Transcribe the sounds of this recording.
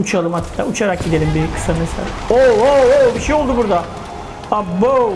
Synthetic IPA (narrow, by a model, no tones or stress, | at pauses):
ut͡ʃʰalˠɯmhat̪ːʰa̰ut͡ʃʰaɾak̚ɟid̪elʲimbikʰɯ̥sanesḛla̰ooobiʃejo̞lˠd̪ubuɾd̪a | abo